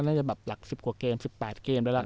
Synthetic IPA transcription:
naː˥˩t͡ɕa˨˩bɛː˨˩p̚la˨˩k̚si˨˩p̚ku˨˩əkeː˧msi˨˩pːɛː˨˩t̪̚keː˧mdaː˦˥la˧˥˩

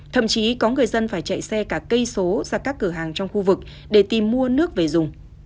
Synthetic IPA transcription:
t̪ʰə̰˧˨mt͡ɕi˨˦kɔ˨˦ŋɨ˨˩əjzə˧nfaː˧˩jt͡ɕa̰˧˨jsɛ˧kaː˧˩kə˧jso˨˦zaː˧˩kaː˦˥kːɨ˧˩ɦaː˨˩ŋt͡ɕɔ˧wŋ͡mxu˧vɨ˨˩k̚ | ɗe˧˩t̪i˨˩mːu˧ənɨ˦˥ək̚ve˨˩zʊ˨˩ŋ͡m

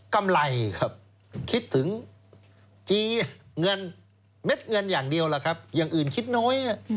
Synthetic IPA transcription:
ka˧mla˧jkʰa˧˩p̚ | kʰi˦˥t̪ʰːɯ˩˦ŋ | t͡ɕiː˧ŋɤ˧n | me˦˥t̪̚ŋɤ˧njaː˨˩ŋdi˧əwlaː˨˩kʰa˦˥p̚jaː˨˩ŋʔɯː˨˩nkʰi˦˥t̪̚nɔː˦˥jʔa˧˩

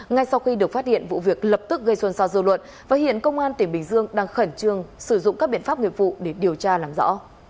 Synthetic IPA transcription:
ŋa˧jsa˧wxi˧ɗɨ˨˩ək̚fa˦˥t̚hḭ˧˨ənvṵ˧˨vi˨˩ək̚lə˨˩p̚t̪ɨ˦˥k̚ɣə˧jswə˧nsaː˧wzɨ̰˧lwə̰˧˨n | vaː˨˩hḭ˧˨ənkə˧wŋ͡mʔaː˧nt̪ï˧˩ŋɓï˨˩ŋ̟zɨ˧əŋɗaː˧ŋxə˧˩nt͡ɕɨ˧əŋsɨ˧˩zʊ̰˧˨ŋ͡mkaː˦˥k̚ɓḭ˧˨ənfaː˦˥p̚ŋi˧˨əvṵ˧˨ɗe˧˩ɗi˨˩əwt͡ɕaː˧laː˨˩mzɔ̰˧˥

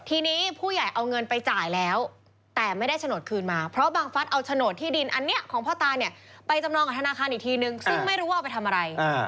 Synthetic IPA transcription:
t̪ʰiː˧niː˦˥pʰuː˥˩ja˨˩jʔa˧wŋɤ˧npa˧jt͡ɕaː˨˩jlɛː˦˥w | t̪ɛː˨˩ma˥˩jda˥˩jt̪ʰnoː˨˩t̪̚kʰɯː˧nmaː˧pʰɾɔ˦˥baː˧ŋfa˦˥t̪̚ʔa˧wt͡ɕ̪ʰa˧noː˨˩t̪ʰːiː˥˩di˧nʔa˧nːi˦˥ɐʔkʰɔː˩˦ŋpʰɔː˥˩t̪aː˧jni˥˩ɐpa˧jt͡ɕa˧mnɔː˧ŋka˨˩t̪ʰa˧naː˧kʰaː˧nʔiː˨˩kt̪ʰiː˧nɯ˧ŋsɯ˥˩ŋma˥˩jɾuː˦˥waː˥˩pa˧jt̪ʰa˧mʔa˧ɾa˧ja˧

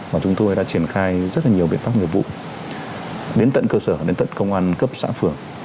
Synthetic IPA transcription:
vaː˨˩t͡ɕʊ˨˦ŋ͡mt̪o˧jɗa̰ː˧˥t͡ɕi˧˩ənxaː˧jzə˦˥t̚laː˨˩ɲi˨˩əwɓḭ˧˨ənfaː˦˥p̚ɲi˨˩əp̚vṵ˧˨ | ɗe˨˦nt̪ə̰˧˨nkəː˧səː˧˩ɗe˨˦nt̪ə̰˧˨nkə˧wŋ͡mʔaː˧nkə˦˥p̚sa̰ː˧˥fɨ˨˩əŋ

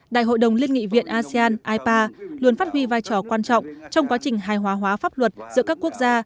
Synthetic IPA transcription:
ɗa̰ː˧˨jɦo̰˧˨jɗə˨˩wŋ͡mli˧ənŋḭ˧˨vḭ˧˨ənʔaː˧si˧aː˧nʔaː˧jpaː˧lu˨˩ənfaː˦˥t̚hwi˧vaː˧jt͡ɕɔ˧˩kwaː˧nt͡ɕɔ̰˧˨wŋ͡mt͡ɕɔ˧wŋ͡mka˨˦t͡ɕï˨˩ŋ̟ɦaː˨˩jɦwaː˨˦ɦwaː˨˦faː˦˥p̚lwə˨˩t̚z̥ɨ̰˧˥əkaː˦˥kːu˦˥ək̚zaː˧

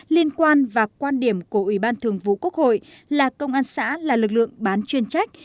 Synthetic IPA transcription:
li˧ənkwaː˧nvaː˨˩kwaː˧nɗi˧˩əmku˧˩əʔwi˧˩ɓaː˧nt̪ʰɨ˨˩əŋvṵ˧˨ku˦˥ək̚ho̰˧˨j | laː˨˩kə˧wŋ͡mʔaː˧nsa̰ː˧˥laː˨˩lɨ˨˩k̚lɨ̰˧˨əŋɓaː˨˦nt͡ɕwi˧ənt͡ɕa˦˥jk̟̚

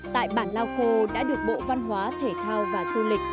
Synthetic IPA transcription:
t̪a̰ː˧˨jɓaː˧˩nlaː˧wxo˧ɗa̰ː˧˥ɗɨ˨˩ək̚ɓo̰˧˨va˧nɦwaː˨˦t̪ʰe˧˩t̪ʰaː˧wvaː˨˩zu˧lï˨˩k̟̚

